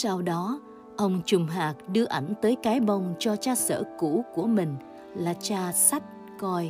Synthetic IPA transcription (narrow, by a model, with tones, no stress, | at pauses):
sa˧wɗɔ˨˦ | ʔə˧wŋ͡mt͡ɕʊ˨˩ŋ͡mɦaː˨˩k̚ɗɨ˧əʔa˧˩ŋ̟t̪əː˨˦jkaː˨˦jɓə˧˩wŋ͡mt͡ɕɔ˧t͡ɕaː˧sə̰ː˧˩kṵ˧˥ku˧˩əmï˨˩ŋ̟ | laː˨˩t͡ɕaː˧sa˦˥t̚ | kɔ˧j